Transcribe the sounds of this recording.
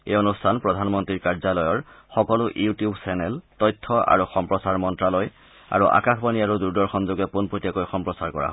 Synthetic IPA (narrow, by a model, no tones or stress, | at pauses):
eonustʰanpɹɔdʱanmɔntɹiɹkaɹzalɔjɔɹxɔkɔlʊʔiutiubsɛnɛltɔjtʰːɔʔa̰ɹuxɔmpɹɔsaɹmɔntɹaloj | a̰ɹuʔa̰kaxbaniaɹuduɹdɔɹxɔnzoɡɛpunpɹotijakojxɔmpɹɔsaɹkɔɹa̰ɦ